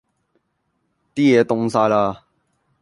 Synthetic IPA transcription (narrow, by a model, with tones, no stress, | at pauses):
t̪i˦e˨˦t̪ʊ˧˦ŋsa˧˦la˧